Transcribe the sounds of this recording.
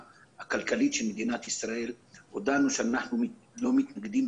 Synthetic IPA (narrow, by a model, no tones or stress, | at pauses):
hakalkalit̪ʃelmed̪inat̪isɾaʔelhod̪anuʃeanaħnumlo̞mit̪naɡd̪im